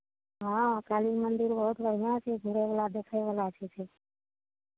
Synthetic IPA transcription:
ɦãkaːlimənd̪ɪɾbəɦut̪bəɽ̤ijãt͡ʃʰeɡʱuɽeʋəlad̪eːkʰajʋəlat͡ʃʰet͡ʃʰeː

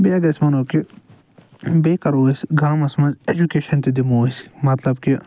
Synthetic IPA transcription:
beɡɐsʲmɐnoːki | beːkɐɾoːisɡaːmɐsmɐ̃nzed͡ʒukeːʃɐnt̪id̪imoːsi̥mɐt̪lɐbki

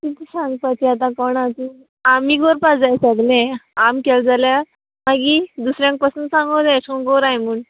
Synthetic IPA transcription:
t̪it̪isãŋɡpat͡ɕiat̪̬ãkɔɳat̪u | amiːɡoɾpad͡zajsat̪nẽamkɛld͡zalja | maɡid̪usɾjãŋk̚pəsənsãŋɡəwd̪eskɔ̃nɡoɾajmuɳ

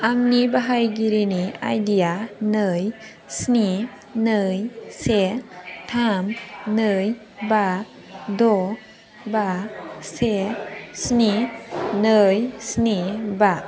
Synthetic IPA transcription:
aŋnibaɦajɡiɾinia̰jdijanɯj | sni | nɯjsetʰamnɯj | ba | dɔ | basesninɯjsniba

